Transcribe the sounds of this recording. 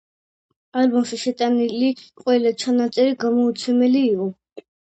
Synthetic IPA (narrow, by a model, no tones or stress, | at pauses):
albɔmʃiʃɛt̪ʼaniliqʼwɛlat͡ʃʰanat̪sʼɛɾiɡamɔut̪sʰwɛmɛliːqʼɔ